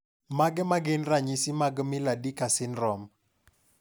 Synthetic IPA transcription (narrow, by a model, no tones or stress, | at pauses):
maɡɛmaɡɪnraɲisimaɡmɪladikasɪnrɔm